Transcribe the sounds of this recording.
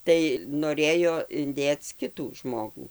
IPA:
ˈtɐɪ noːˈrʲeːjoː ɪnʲˈdʲeːt͡s ˈkʲɪtuː ˈʒmoːɡuː

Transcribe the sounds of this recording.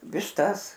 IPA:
ʋʲɪʃˈtɐs

